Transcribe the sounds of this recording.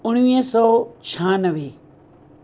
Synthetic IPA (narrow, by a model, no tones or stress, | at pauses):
ʊɽ̃ʋiːsɔːt͡ʃʰãːnəʋeː